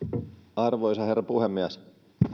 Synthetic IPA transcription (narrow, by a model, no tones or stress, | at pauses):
ɑrʋojsɑɦerːɑpuɦemːiæs